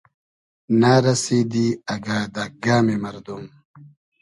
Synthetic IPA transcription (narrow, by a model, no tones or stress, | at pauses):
naːɾɐsiːd̪iɐɡaːd̪ɐɡaːmemɐɾd̪um